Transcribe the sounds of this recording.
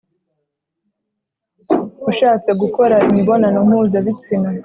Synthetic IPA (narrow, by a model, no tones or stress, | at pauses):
uʃaːt͡se̞ɡuko̞ɾaimiβo̞nanom̥huːzaβit͡sina